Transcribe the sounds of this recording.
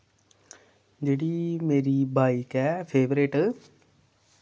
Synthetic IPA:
d͡ʒeːɽimeːɾibʱaːikɛːpʰeːʋɾeʈ

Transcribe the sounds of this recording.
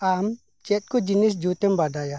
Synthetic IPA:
am | t͡ʃɛt̪̚kod͡ʒinis̬d͡ʒut̪embadaja

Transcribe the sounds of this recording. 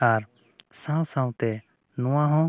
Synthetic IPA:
aɾ | sãw̃sãw̃t̪ɛ | nɔ̃wãɦɔ̃

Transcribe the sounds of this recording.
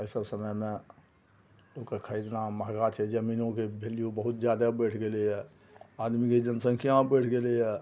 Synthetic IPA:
əisəbsəməjme | lokekʰəjd̪naməɦɡat͡ʃʰɛd͡ʒəminõkebʱelijobəɦut̪d͡ʒjad̪abəjʈʰɡelɛɦɛ | ad̪miked͡ʒənsəŋkʰijãbəjʈʰɡeleɦɛ

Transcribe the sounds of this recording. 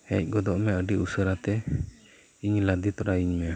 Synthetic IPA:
hɛc̚ˀɡɔd̪ɔʔmɛəɖiusəɾat̪ɛ | iɲlad̪it̪ɔɾaiɲmɛ

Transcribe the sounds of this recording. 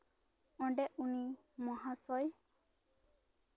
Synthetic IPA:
ɔ̃ɖeʔuni | mɔɦasɔj

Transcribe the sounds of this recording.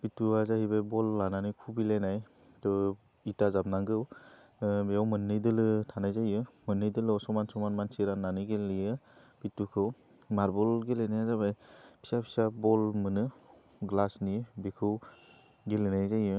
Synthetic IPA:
b̥ituazahibajbɔlːananikʰubilajnaj | tɔ | itazab̚naŋɡɯw | beawmɯnːɯjdɯlɯtʰanajzajɯmɯnːɯjdɯlɔsɔmansɔmanmansiɾanːanɯɡelijɯ | pitukʰɯw | maɾbɔlɡelenajazabajpʰi̥sapʰi̥sabɔlmɯnɯ | ɡlasnibekʰɯw | ɡelenajzajɯ

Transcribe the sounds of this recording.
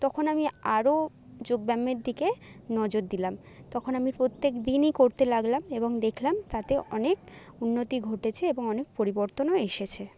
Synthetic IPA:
t̪ɔkʰonamiaɾo | d͡ʑoɡ̚bɛmːeɾd̪ʱikenɔd͡ʑoɾd̪ilam | t̪ɔkʰonamiɾpɾot̪ːekd̪inikoɾt̪elaɡlameboŋd̪ekʰlamt̪at̪eʔɔnek | unːot̪iɡʱoʈet͡ɕʰeeboŋɔnek̚poɾiboɾt̪onoeʃet͡ɕʰe

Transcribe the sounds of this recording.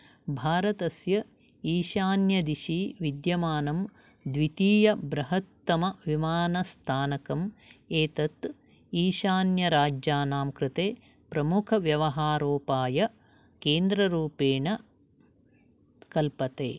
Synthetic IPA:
bʱaːɾɐt̪ɐsjɐ | iːʃaːnjɐd̪iʃiːʋid̪jɐmaːnɐm | d̪ʋit̪iːjɐbɾɐɦɐt̪ːɐmɐʋimaːnɐst̪ʰaːnɐkɐmeːt̪ɐt̪ | iːʃaːnjɐɾaːd͡ʒjaːnaːmkɾɪt̪eː | pɾɐmukʰɐʋjɐʋɐɦaːɾoːpaːjɐ | keːnd̪ɾɐɾuːpeːɳɐ | kɐlpɐt̪ḛː

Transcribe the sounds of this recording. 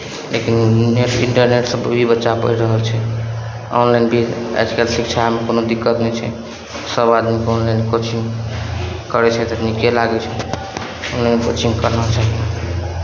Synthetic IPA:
lekinneʈḭɳʈəɾneʈsəbbʱibətːt͡ʃapə̰ɾiɾəɦəlt͡ʃʰɛ | ɔ̰nlajnbʱia̰d͡ʒkelsik̚t͡ʃʰamekonod̪ikːət̪nɛt͡ʃʰɛ̰ | səbad̪mikonlajnkot͡ʃʰiŋ | kəɾɛt͡ʃʰɛt̪əpnikelaɡɛt͡ʃʰɛ | onlajnkot͡ʃiŋkəɾnət͡ʃʰaɦi

